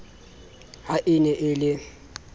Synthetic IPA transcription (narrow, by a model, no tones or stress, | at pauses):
haʔɪnɛʔɪlɪ